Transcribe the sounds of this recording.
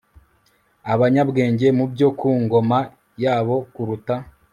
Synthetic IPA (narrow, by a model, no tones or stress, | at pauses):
aβaɲabɡe̞ːɲɟe̞mubjo̞kuːŋɡo̞ma | jaːβo̞kuɾuta